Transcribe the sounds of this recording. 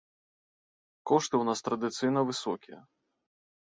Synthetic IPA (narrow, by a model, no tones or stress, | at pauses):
kɔʂt̪ɨwnast̪ɾɐd̪ɨt̪sɨjnɐvɨsɔkʲijɐ̰